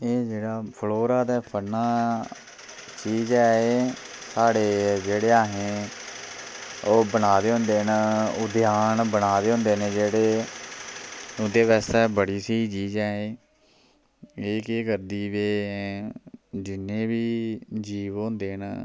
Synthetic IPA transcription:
eːd͡ʒeːɽaːpʰloːɾaːd̪ɛːpʰənaː | t͡ʃiːd͡ʒɛːeː | saːɽeːd͡ʒeːɽeːaːɦẽː | oːbənaːd̪eːɦʊ̃nd̪eːnʊd̪jaːnbənaːd̪eːɦʊ̃nd̪eːnẽːd͡ʒeːɽeː | ʊd̪eːʋɛːst̪ɛːbəɽiːseiːt͡ʃiːd͡ʒɛːeː | eːkeːkəɾd̪iːʋeː | d͡ʒɪnẽːbiːd͡ʒiːʋɦõːnd̪eːn

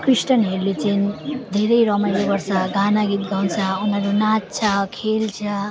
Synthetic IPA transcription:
krisʈʌnɦeɾlet͡sand̪ʱeɾʌjɾʌmʌjebʌrsʌɡanaɡit̪̚ɡʱawnt͡sʰʌunʌɾunat̪̚t͡sʰʌkʰelt͡sʰʌ

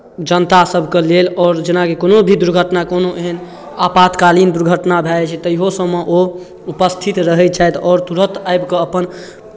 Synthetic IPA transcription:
d͡ʒənt̪asəbʱkelelɔːɾd͡ʒenakekonobʱid̪uɾɡʱəʈnakonoʔeɦən | apat̪kalind̪uɾɡʱəʈnabʱɛlt͡ʃʰɛt̪əiɦosəmːeʔo | upəst̪ʰit̪ɾəɦɛt͡ʃʰajt̪ɔːɾt̪uɾət̪ajbkeəpən

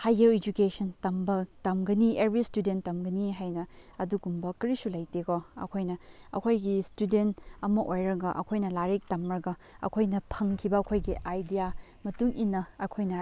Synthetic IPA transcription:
hajeɾed͡ʒukesɐntɐmbɐtɐmɡɐniebɾistudentːɐmɡɐniɦajnɐ | ɐduɡumbɐkɾisulɐjteɡoɐ̰kʰojnɐɐ̰kʰojɡistudentɐmɐʔojɾɐɡɐʔɐ̰kʰojnɐlaɾek̚tɐmɾɐɡɐ | ɐ̰kʰojnɐpʰɐŋkʰibɐɐkʰojɡiʔajdija | mɐtuŋʔinːɐɐkʰojnɐ

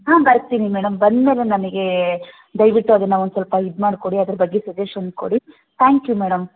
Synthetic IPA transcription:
ɦãːbɐɾt̪inimɛːɽɐmbɐnd̪meːle̞nɐmɐɡe̞ | d̪ɐjʋiʈːuɐd̪ɐnːɐond̪usɐlpɐɦid̪maːɽko̞ɽiɐd̪ɐɾɐbɐɡːesɐd͡ʒeʃɐnsko̰ɽi | t̪ʰaːŋkjumɛːɽɐm

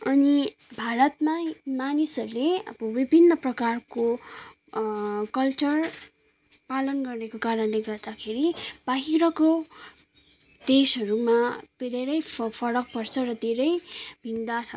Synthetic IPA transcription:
ʌni | bʱaɾʌt̪mamanisʌɾuleʌ̰bʌbibʱinːʌprʌkarko | kʌlt͡sʌr | palʌnɡʌrekokaɾʌnleɡʌrd̪akʰeɾibaɦiɾʌko | d̪esɦʌɾumabʱed̪ʱeɾʌjpʰʌɾʌk̚pʌrt͡sʰʌrʌd̪ʱeɾʌjbʱind̪asʰʌ

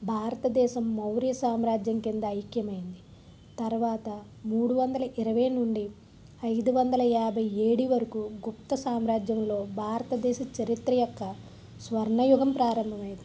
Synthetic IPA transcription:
bʱaːɾɐt̪ɐd̪ɛːʃɐmːɐwɾijɐsaːmɾaːd͡ʒjɐmkind̪ɐːjkjɐmɐjind̪i | t̪ɐɾʋaːt̪ɐ | muːɽuʋɐnd̪ɐlɐʔiɾɐʋɐjnuɳɖi | ɐjd̪uʋɐnd̪ɐlɐaːbʱɐje̞ːɽiʋɐɾɐkuɡup̚t̪ɐsaːmɾaːd͡ʒjɐmlo̞ːbʱaːɾɐt̪ɐd̪ɛːʃɐt͡ʃɐɾit̪ɾɐjɔkːɐ | sʋɐɾɳɐjuɡɐmpɾaːɾɐmbʱɐmɐjd̪

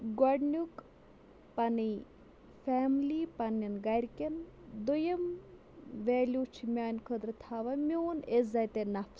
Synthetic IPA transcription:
ɡɐɖnʲuk | pɐni | faːmlipɐnːɐnɡɐɾʲkʲend̪ujɐm | ʋeːlʲut͡ʃʰimʲaːnʲkʰəd̪ɾɐt̪ʰaːʋɐmʲoːnezɐt̪enɐfʰs

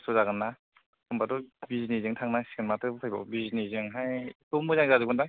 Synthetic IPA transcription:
suzaɡɯnːa | kʰɯmbadɔbizinizɯŋtʰaŋnasi̥ɡɯnmatɯpʰajbɔ̰bizinizɯŋɦajtumɯzaŋzazɯɡɯndaŋ

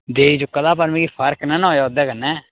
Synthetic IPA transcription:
d̪eːiːd͡ʒʊkːaːd̪aːpəɾmĩːipʰəɾknənɔ̃ːjaːʊd̪ɛːkənːɛː

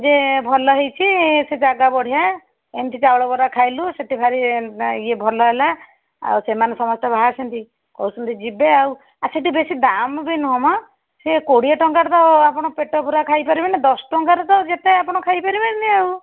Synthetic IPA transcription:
d͡ʒebʱɔlɔɦejt͡ʃʰised͡ʒaɡabɔɽ̤ija | ent̪ʰit͡ʃawɽɔbɔɾakʰajluseʈibʱaɾiiebʱɔlɔɦela | a̰wsemanɔsɔmɔst̪ɔbʱaɦasʰɔnt̪i | kɔwsɔnt̪id͡ʒibeaw | aseʈibesid̪ambinuɦɔmɔ | sekoɽiɔʈɔŋkaɾɔt̪ɔapɔɽ̃ɔpeʈɔpuɾakʰajpaɾibenid̪ɔsʈɔŋkaɾɔt̪ɔd͡ʒet̪eapɔɽ̃ɔkʰajpaɾibenniew

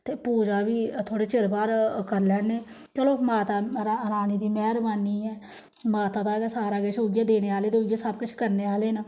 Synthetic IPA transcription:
t̪eːpuːd͡ʒaːʋiːt̪ʰoːɽeːt͡ʃɪɾbaːɾkəɾlɛːneː | t͡ʃəloːmaːt̪aːɾaːənaːniːd̪iːmɛːɾʋaːniːɦɛː | maːt̪aːt̪ãːɡɛːsaːɾaːɡeːʃoːɡjaːd̪eːneːaːleːt̪eoːɡaːsəb̚kʊt͡ʃʰkəɾneːaːleːnaː

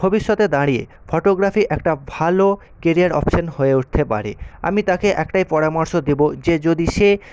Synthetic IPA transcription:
bʱobiʃːot̪ed̪aɽiḛ | fʰoʈoɡɾafiʔɛkʈabʱalo | keɾiaɾɔ̰pʃonhoeuʈ̚t̪ʰepa̰ɾḛa̰mit̪akeʔɛkʈajpɔɾamoɾʃod̪ebod͡ʑed͡ʑod̪iʃe

